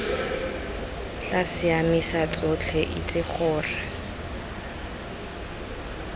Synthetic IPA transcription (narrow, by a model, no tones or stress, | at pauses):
t͡ɬasɪamisat͡sʼʊt͡ɬʰɛʔḭt͡sʼɪχʊːra